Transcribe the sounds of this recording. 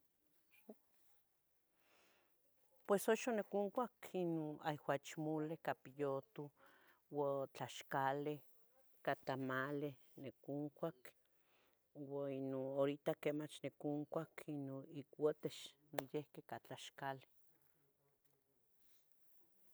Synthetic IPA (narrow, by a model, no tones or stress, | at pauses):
pwesoʃonekuŋkʷakinoajwat͡ʃmulekapijot̪u | wat͡ɬaʃkale | kat̪amale | nekuŋkʷak | wainonoɾit̪akemat͡ʃnekuŋkʷakʰinoikwət̪eʃnojehkekat͡ɬaʃkale̥